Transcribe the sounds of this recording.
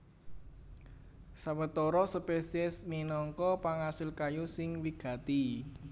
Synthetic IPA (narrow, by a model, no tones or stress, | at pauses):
sawət̪ɔɾɔsəpesiɛsminɔŋkɔpaŋasɪlkajusɪŋwiɡ̥ä̤t̪i